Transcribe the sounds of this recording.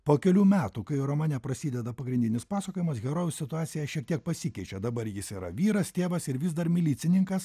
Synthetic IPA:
poːkʲɛlʲuːmʲæːt̪uːkɐɪɾomɑːnʲɛpɾɐsʲiːd̪ʲɛd̪ɐpɐɡɾʲɪnʲd̪ʲɪnʲɪspɑːsɐkoːjʲɪmɐsɡʲɛɾoːʋʲʊssʲɪt̪ʊɑːt̪sʲɪjɛʃʲiɛk̚t̪ʲiɛk̚pɐsʲɪkʲɛɪt͡ʃʲɛd̪ɐbɐɾjɪsiːɾɐ̰ʋʲiːɾɐst̪ʲeːʋɐsɪɾʋʲɪzd̪ɐɾmʲɪlʲiːt̪sʲɪnʲɪŋkɐs

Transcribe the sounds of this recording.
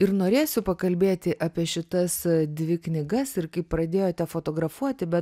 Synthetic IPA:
ɪɾnoːɾʲeːsʲʊpɐkɐlʲbʲeːt̪ʲɪʔɐːpʲiɛʃʲɪt̪ɐsd̪ʲʋʲɪknʲɪɡɐsɪɾkɐɪppɾɐd̪ʲeːjoːt̪ʲɛfoːt̪oːɡɾɐfuɔt̪ʲɪbʲɛt̪

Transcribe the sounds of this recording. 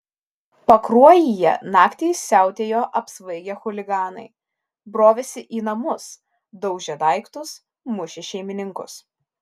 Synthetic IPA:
pɐkɾuɔjijɛ̰nɑːkt̪ʲeɪsʲæˑʊt̪ʲeːjoːʔɐpsʋɐɪɡʲɛxʊlʲɪɡɑːnɐ̰ɪ | bɾoːʋʲɛsʲɪʔiːnɐmʊs | d̪ɒʊʒʲɛd̪ɑˑɪkt̪ʊs | mʊʃʲɪʃʲɛɪmʲɪnʲɪŋkʊ̰s

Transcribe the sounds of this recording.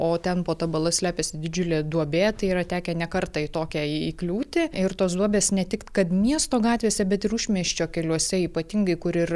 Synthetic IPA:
oːt̪ʲɛnpoːt̪ɐbɐlˠɐsʲlʲæːpʲɛsʲɪd̪ʲɪd͡ʒʲʊlʲeːd̪uɔbʲeːt̪ɐɪiːɾɐt̪ʲæːkʲɛnʲɛkɐɾt̪ɐit̪oːkʲɛiiːklʲuːt̪ʲɪɪɾt̪oːsd̪uɔbʲeːsnʲɛt̪ʲɪkkɐt̪mʲiɛst̪oːɡɑːt̪ʲʋʲeːsʲɛbʲɛt̪ɪɾʊʃʲmʲiɛʃʲt͡ʃʲoːkʲɛlʲuɔsʲɛiːpɐt̪ʲɪŋɡɐɪkʊɾɪr

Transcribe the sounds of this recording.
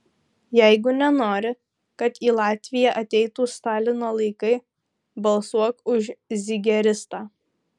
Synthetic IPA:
jæɪɡʊnʲɛnoːɾʲɪ | kɐt̪iːlˠɑːt̪ʲʋʲɪjɛʔɐt̪ʲɛɪt̪uːst̪ɑːlʲɪnoːlˠɐɪkɐɪ | bɐlˠsuɔkʊʃzʲɪɡʲɛɾʲɪst̪ɑː

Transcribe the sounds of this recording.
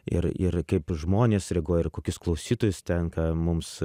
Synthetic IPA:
ɪ̰ɾɪ̰ɾkɐɪpʒmoːnʲeːsɾʲɛɡoːjɪrkoːkʲʊsklˠɐʊsʲiːt̪oːjʊst̪ʲɛnkɑːmʊms

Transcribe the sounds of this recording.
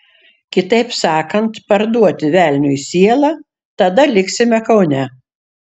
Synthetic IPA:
kʲɪt̪ɐɪpsɑːkɐnt̪pɐɾd̪uɔt̪ʲɪʋʲæˑlʲnʲʊisʲiɛlˠɑ | t̪ɐd̪ɐlʲɪksʲɪmʲɛkɐʊnʲɛ

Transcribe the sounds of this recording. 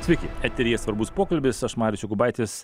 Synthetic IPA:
sʲʋʲɛɪkʲɪɛt̪ʲɛɾʲiːɛsʋɐɾbʊspoːkɐlʲbʲɪsɐʃmɑːɾʲɪt͡ʃʲʊɡʊbɐɪt̪ʲɪs

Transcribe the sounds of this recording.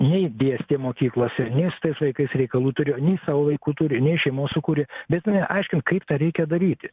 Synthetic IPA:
nʲɛɪd̪ʲeːsʲt̪ʲeːmoːkʲiːklˠoːsʲɛnʲɛɪsɪ̥t̪ɐɪsʋɐɪkɐɪsɾʲɛɪkɐlˠuːt̪ʊɾʲɪnʲɛɪsɑːʋoːʋɐɪkuːt̪uɾʲɪnʲɛɪʃʲɛɪmoːssʊkuːɾʲɪbʲɛt̪mɐnʲɛʔɐɪʃʲkʲɪnt̪̚kɐɪpt̪ɐɾʲɛɪkʲɛd̪ɐɾʲiːt̪ʲɪ

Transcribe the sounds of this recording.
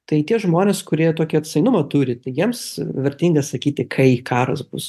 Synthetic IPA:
t̪ɐɪt̪ʲiɛʒmoːnʲeːskʊɾʲiɛt̪oːkʲɪɐt̪ʲsɐɪnʊmɐt̪uːɾʲɪt̪ɐɪjiɛmsʋʲɛrʲt̪ʲiːŋɡɐssɐkʲiːt̪ʲɪkʰɐɪkɑːɾɐsbʊs

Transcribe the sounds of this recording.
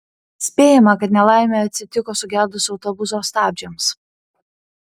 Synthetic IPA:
sʲpʲeːjɛmɐkɐt̪nʲɛlˠɑˑɪmʲeɐt̪ʲsʲɪt̪ʲɪkoːsʊɡʲæd̪ʊsʲɒʊt̪ɔbʊsoːst̪ɑːbʲd͡ʒʲɛms

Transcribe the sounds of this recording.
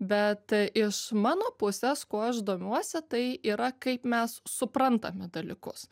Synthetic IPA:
bʲɛt̪ʔɪʃmɑːnoːpʊsʲeskoːɐʃd̪oːmʲuɔsʲɪt̪ɐɪiːɾɐkɐɪpmʲɛssʊpɾɐnt̪ɐmʲɪd̪ɐlʲikʊs

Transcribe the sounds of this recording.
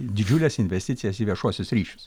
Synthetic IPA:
d̪ʲɪd͡ʒʲʊlʲɛsɪnʲʋʲɛsʲt̪ʲɪt̪sʲɪjɛsiːʋʲiɛʃuɔsʲʊsɾʲiːʃʲʊ̥ss

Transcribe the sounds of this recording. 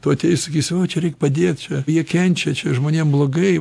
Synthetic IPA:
t̪ot̪ʲeːsɐkʲiːsʲoːt͡ʃʲɛɾʲɛɪkpɐd̪ʲeːt̪t͡ʃʲɛjiɛkʲɛnʲt͡ʃʲɛt͡ʃʲɛʒmoːnʲeːmblˠoːɡɐɪ

